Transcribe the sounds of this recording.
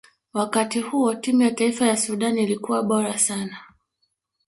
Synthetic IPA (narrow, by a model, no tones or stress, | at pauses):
wakatihuɔtimujataifajasuɗanilikuwaɓɔɾasana